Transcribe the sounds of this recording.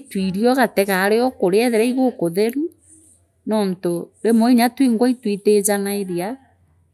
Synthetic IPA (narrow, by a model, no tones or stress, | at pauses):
twiɾiɔɣatɛɣaːɾeɔkoɾeɛðɛɾaiɣokoðeɾu | nɔːntoɾemɔiɲatwiŋɡwaitwitezanaeɾea